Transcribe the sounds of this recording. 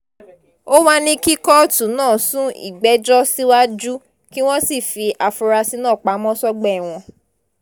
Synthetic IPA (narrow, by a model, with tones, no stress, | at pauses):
o˦wa˦nĩ˧ki˦kɔ˦tũ˨˦nãː˦˨sũ˦ḭ˦˨ɡ͡bɛ˨˦d͡ʒɔ˦si˦wa˦d͡ʒu˦ | ki˦w̃ɔ̃˦si˦˨fi˧ʔa˨fu˧ɾa˧si˧nãː˦˨k͡pa˨˦mɔ̃˦sɔ˦ɡ͡bɛ˦˨w̃ɔ̃˧